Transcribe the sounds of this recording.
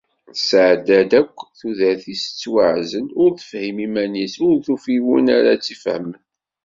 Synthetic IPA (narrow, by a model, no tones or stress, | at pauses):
sʕd̪æd̪ækʷːθuðæθisə̥t͡sːwəʕzənʊɾθə̥fhimimænisʊɾθufiwunaɾat͡sːifhə̰mən